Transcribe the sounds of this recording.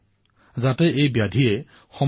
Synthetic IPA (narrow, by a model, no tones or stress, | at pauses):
zatɛʔejbjadʱiɛ | xɔ